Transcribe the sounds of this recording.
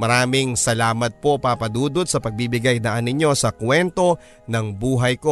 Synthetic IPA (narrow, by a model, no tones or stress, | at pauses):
mɐɾaːmɪŋsɐlaːmɐt̪̚po̞paːpɐd̪uːd̪ot̪̚sɐpɐɡ̚bibɪɡajd̪ɐʔɐnɪɲo̞sɐkwɛnt̪o̞ | nɐŋbuːɦɐjko̞